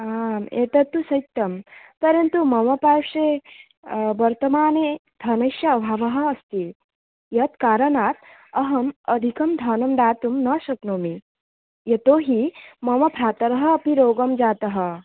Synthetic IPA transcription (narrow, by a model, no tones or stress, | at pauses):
aːmḛːt̪ɐt̪ːusɐjt̪ːɐmpɐɾɐnt̪umɐʋɐpaːʂe | ʋɐɾt̪ɐmaːned̪ʱɐnɐʃjɐːbʱaːʋɐɦɐ̆ːst̪i | jɐt̪kaːɾɐnaːt̪ | ɐɦɐmɐd̪ʱikɐmd̪ʱɐːnɐmd̪aːt̪umnɐʃɐknoːmi | jɐt̪oːɦimɐʋɐpɾaːt̪ɐɾɐɦɐ̆ːpiɾoːɡɐmd͡ʒaːt̪ɐɦɐ